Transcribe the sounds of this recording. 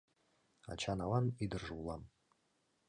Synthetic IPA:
a̰t͡ʃʰanawanidɨrʐwlam

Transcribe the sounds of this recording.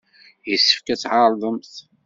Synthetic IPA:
jəsːə̥fkæt͡sːʕɑɾˤðˤəmθ

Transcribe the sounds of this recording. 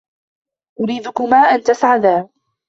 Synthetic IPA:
ʔʊɾiːd̪ʊkʊmaːʔant̪asʕad̪aː

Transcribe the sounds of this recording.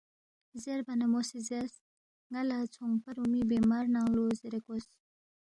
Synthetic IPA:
zerpanamosizes | ŋalat͡sʰoŋpaɾumib̬emarnaŋlozeɾekos

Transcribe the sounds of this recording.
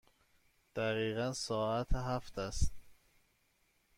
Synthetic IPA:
d̪̥æɣiːɣænsɒːæt̪ʰeɦæft̪ʰæst̪

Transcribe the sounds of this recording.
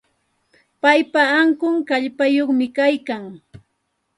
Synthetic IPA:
pajpaːŋkʊŋkaʎpajoχmɪkajkaŋ

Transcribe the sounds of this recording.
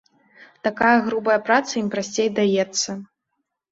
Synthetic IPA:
t̪akajɐɣɾubɐjɐpɾat̪sɐimpɾasʲt͡sʲejd̪ajɛt̪sːɐ

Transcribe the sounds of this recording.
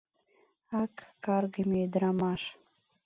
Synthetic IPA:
ɑkːɑrɣəmeed̪ɾɑmɑʃ

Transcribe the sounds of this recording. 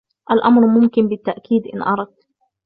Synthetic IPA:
ʔalʔamɾmʊmkɪnbɪt̪ːaʔkiːd̪ʔɪnʔɑɾˤɑd̪̚t̪

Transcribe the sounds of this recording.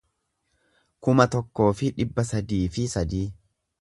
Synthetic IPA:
kʊmɐt̪ɔkːo̞ːfɪᶑɪbːɐsɐd̪iːfɪsɐd̪iː

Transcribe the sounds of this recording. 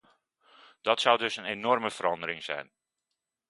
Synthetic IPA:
d̥ɔtsawdɵsənenɔrməfəɾɑndəɾɪŋzɛ̰jn

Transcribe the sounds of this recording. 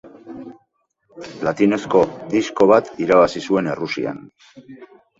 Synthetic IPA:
lat̪ine̞sko̞d̪isko̞β̞at̪iɾaβ̞asisue̞ne̞rusḭa̰n

